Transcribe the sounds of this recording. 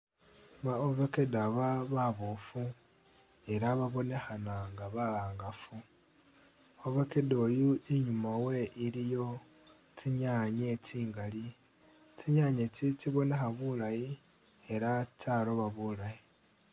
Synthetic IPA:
βaovekedaβaβaβofu | e̞ɾaβaβo̞ne̞xanaŋɡaβaaːŋɡafu | ovekedo̞juiɲumawe̞ʔilijo̞ | t͡siɲaɲet͡siːŋɡali | t͡siɲaɲet͡sit͡siβo̞ne̞xaβulaji | e̞ɾat͡saɾo̞βaβulaji

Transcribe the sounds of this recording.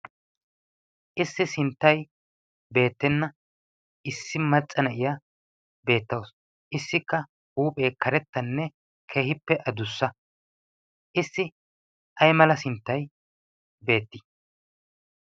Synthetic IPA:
ʔɪsːɪsɪnt̪ːɐj | be̞ːt̪ːɛnːɐ | ɪsːɪmɐt͡sʼːɐnɐʔɪjɐ | be̞ːt̪ːɐws | ʔɪsːɪkːɐ | huːpʼe̞ːkɐɾɛt̪ːɐnːɛ | kʰe̞ːhɪpːɛʔɐd̪ʊsːɐ | ʔɪsːɪ | ʔɐjmɐlɐsɪnt̪ːɐj | be̞ːt̪ːɪ̥

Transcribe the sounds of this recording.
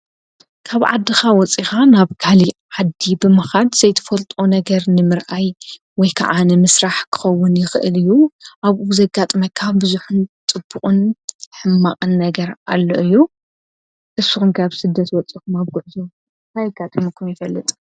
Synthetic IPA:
kʰaβʕa̰d̪ːixawɔt͡sʼixanaβkʰaliʕad̪ːibɨmɐxad̪z̥ɐjt̪ʰɐ̥fɐlt̪ʼonɐɡɐɾnɨmɨɾʔaj | wɔjkʰa̰ʕanɨmɨsɾaħkʰɨ̥xɐwːʊnjɪxɨʔɨ̰lɨjːuʔaβʔuzɐɡat̪ʼmɐkʰːaβbɨzuħʊnt͡s̪ʼɨb̥ːukʼɨnħɨmːaqʼɨnːɐɡɐɾalːoʔɨjːu | ʔɨsːuxumkʰaβsɨd̪ːɐt̪wɔt͡sʼikumaβɡʊʕzo | t̪ʰajɐɡat̪ʼɐmɐkʰumjɪfɐlːɨt̪ʼ

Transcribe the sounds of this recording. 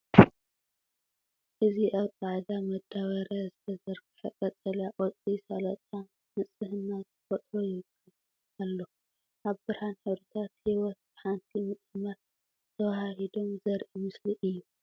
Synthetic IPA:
ʔɨziʔaβt͡sʼaʕd̪amɐd̪aβɐɾazɨt̪ʰɐzɐɾkʰɨ̥ħɐkʼɐt͡sʼɐljaʔʼot͡sʼisalɐt͡sʼa | mɨt͡sʼɨhɨnːat̪ɨ̥fot̪ʼɾojɪwɨkʰːɨl | alːo | ʔaβbɨɾhanħiɾut̪ʰat̪hiwɔt̪̚b̥ɨħant̪ʰimɨt͡sʼɨmːɐɾ | t̪ʰɐwahahid̪o̞mzɐɾʔimɨsliʔɨjːu

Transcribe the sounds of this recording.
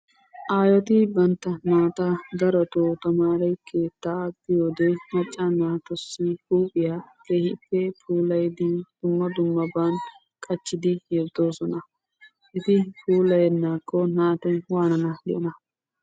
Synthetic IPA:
ʔaːjɔt̪ɪbɐnt̪ːɐnaːt̪ɐɡ̪ɐɾɔt̪oːt̪ɐmaːɾɛjkʰeːt̪ːadɪjoːd̪emɐt͡ʃʼːanaːt̪ɔsːɪhuːpʼɪjaːkeːhɪpːɛpʰuːlɐjd̪ɪd̪̥ʊmːɐd̪ʊmːɐbaːn | kʼɐt͡ʃːɪd̪ɪjɛd̪o̞ːsɔnɐ | ʔɪt̪ɪpʰuːlɐjɛnːaːkʰːɔnaːt̪ɛwaːnɐnɐd̪ɪjɔnɐ

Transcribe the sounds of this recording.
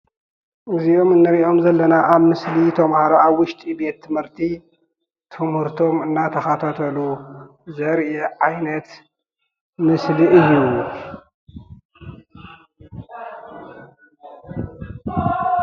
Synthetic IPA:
ʔɨzio̞mɨnːɨɾiʔo̞mzɐlːɐnaʔaβmɨslit̪ʰɐmhaɾoaβwʊʃt̪ʼibe̞t̪ʰːɨmhɨɾt̪ʰi | t̪ʰɨmhɨɾt̪ʰo̞mɨnːat̪ʰɐxat̪ʰat̪ʰɐlu | zɐɾʔeʕajnɐt̪ | mɨsliʔɨjːu

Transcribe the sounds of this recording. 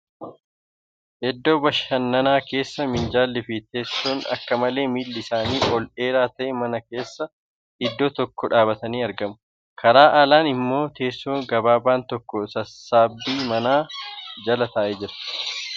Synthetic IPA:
hɛd̪ːo̞ːbɐʃɐnːɐnaːke̞ːsːɐmɪnd͡ʒaːlːɪfɪt̪e̞ːsːoːnɐ̰kːɐmɐle̞ːmiːlːɪsaːniːʔɔlʔe̞ːɾaːt̪ɐʔɛmɐnɐke̞ːsːɐ | ɪd̪ːoːt̪ɔkːɔᶑaːbɐt̪ɐniːɐɾɡɐmʊ̥ | kʰɐɾaːʔaːlaːnɪmːo̞ːt̪ʰe̞ːsːoːɡɐbaːbaːnt̪ɔkːɔsɐsːaːbːiːmɐnaːd͡ʒɐlɐt̪ɐːʔeːd͡ʒɪɾɐ̥

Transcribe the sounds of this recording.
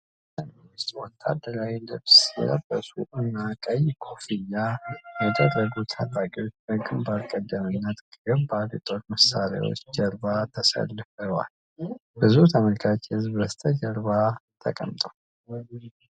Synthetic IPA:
ləmist̪ʼwɔt̪ʰːa̰d̪ːəɾawilɨβsjɛ̰ləb̥ːəsṵʔɨnːakʼəjkʰofijːajɛd̪ərːəɡut̪ʰat̪ʼakʼiwo̞t͡ʃːbəkʼɨmbalkʼəd̪ːəmɨnːət̪ɡɡəbaljɛt̪ʼo̞ɾməsːaɾa̰wo̞̰t͡ʃːd͡ʒəɾbat̪ʰəsə̰lːɨfəwa̰l | bɨzut̪ʰəməlkʰat͡ʃːɛhɨzbəst̪ʰəd͡ʒəɾβat̪ʰə̰kʼəmt̪ʼəw

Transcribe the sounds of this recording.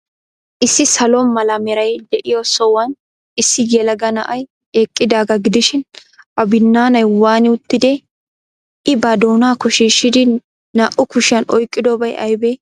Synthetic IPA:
ʔɪsːɪsɐlɔmɐlɐmɛɾɐjd̪ɛʔɪjɔsɔwɐn | ɪsːɪjɛlɐɡɐnɐ̰ʔɐj | eːkʼːɪd̪aːɡɐɡɪd̪ɪʃɪn | ɐbɪnːaːnɐjwaːnɪʊt̪ːɪd̪ɛ | ʔɪbɐd̪oːnaːkɔʃiːʃːɪd̪ɪ | nɐʔʊkʊʃɪjɐnɔjkʼːɪd̪ɔbɐjʔɐ̰jbɛ

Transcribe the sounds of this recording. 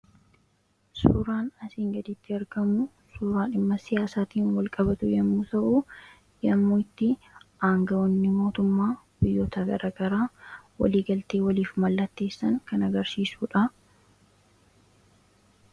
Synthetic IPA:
sṵːɾaːnɐsiːŋɡɐd̪ɪt̪ːɪɐɾɡɐmu | suːɾaːᶑɪmːɐsɪjaːsaːt̪iːnwɐlkʼɐbɐt̪ʊjɐmːuːt̪ɐʔu | jɐmːuːɪt̪ːɪ | ʔaːŋɡɐɔnːɪmo̞ːt̪ʊmːaːb̥ɪjːoːt̪ɐɡɐɾʔaːɡɐɾaːwɐ̰liːɡɐlt̪e̞ːwɐliːfmɐlːɐt̪ːe̞ːsːɐŋkɐnɐɡɐɾsiːsuːᶑɐ

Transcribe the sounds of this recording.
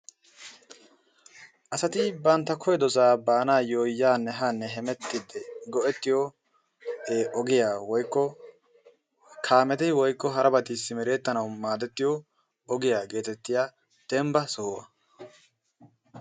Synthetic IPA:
ʔɐsɐt̪ɪbɐnt̪ːɐkʰɔjɛd̪ɔsaːbaːnaːjoːjːaːnːɛɦanːɛɦɛmɛt̪ːɪd̪ːɛɡɔʔɛt̪ːɪjɔ | eːʔɔɡɪjaːwɔjkːɔ | kʰaːmɛt̪ɛwɔjkːɔɦɐɾɐbɐt̪ɪsːɪmɛɾe̞ːt̪ːɐnɐwmaːd̪ɛt̪ːɪjɔ | ɔɡɪjaːɡe̞ːt̪ɛt̪ːɪjaː | d̪̥ɛmbɐsʊhʊwɐ̰

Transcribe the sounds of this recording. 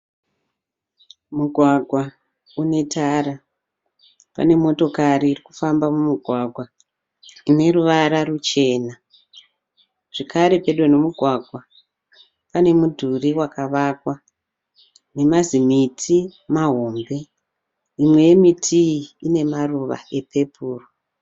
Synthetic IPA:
muɡʱwaɡʱwa | une̞taːɾa | pa̰ne̞mo̞to̞kaɾiːrikufambamumuɡʱwaɡʱwa | ine̞ruʋaɾarut͡ʃe̞ːna | ʐ̥ekaɾe̞pe̞ɗonomuɡʱwaɡʱwa | pane̞mudʱuriwakaʋakwa | ne̞mazimitʰimaɦo̞mbe̞ | imwe̞je̞mitʰiiːne̞maruʋa̰e̞pe̞puːro

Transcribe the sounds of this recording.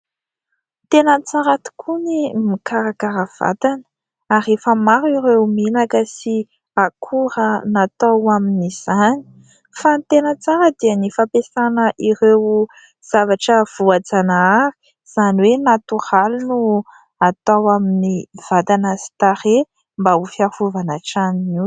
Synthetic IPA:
t̪enət͡saɾat̪u̥kʰunimikaɾakaɾəv̥a̰t̪anə̥ | aɾefəmaɾiɾewminakəsi | akʰuɾənat̪awaminiz̥ani̥ | fant̪enət͡saɾəd̪iənifapesanəʔiɾew | z̥avaʈ͡ʂəv̥uad͡zanaaɾi̥ | z̥aniwenat̪uhalunu | at̪awaminiv̥at̪anəsi̥t̪aɾe | mbaufiafuvanaʈ͡ʂaniniw

